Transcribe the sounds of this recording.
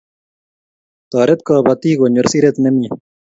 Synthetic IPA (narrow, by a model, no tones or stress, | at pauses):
t̪ɑːɾet̪kɑːbɐt̪iːɡoɲuɾsiɾet̪nɐmi